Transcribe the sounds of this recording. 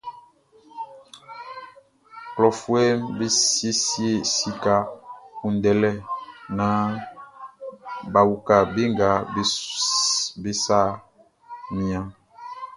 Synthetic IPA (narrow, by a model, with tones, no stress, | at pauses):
klɔ˨fu˦e˦mbe˦i˦si˦e˦˨si˦ka˦ku˨n˨dɛ˨lɛ˦nã˦ | ba˨wu˨ka˨be˦ŋɡa˨˦ | be˦sa˦˨ | mĩ˨ã˦